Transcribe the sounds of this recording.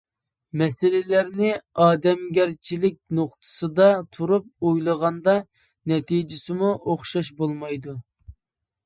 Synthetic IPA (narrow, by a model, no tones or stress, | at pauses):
mɛsɪlɪlæɾnɪɑːd̪ɛmɡʲæɾt͡ʃʰilɪk̚ʲnoqt̪ʰɨ̥sɨd̪ɑt̪ʰuɾup̚ojlˠəʁɑnd̪ɑ | nɛt̪ʰid͡ʒɪsɪmuʔoχʃɑʃbolˠmɑjd̪u